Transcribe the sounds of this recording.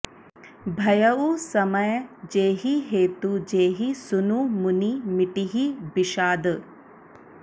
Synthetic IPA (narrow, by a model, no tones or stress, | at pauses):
bʱɐjɐusɐmɐjd͡ʒeːɦiɦeːt̪ud͡ʒeːɦisunumunimɪʈiɦibiʃaːd̪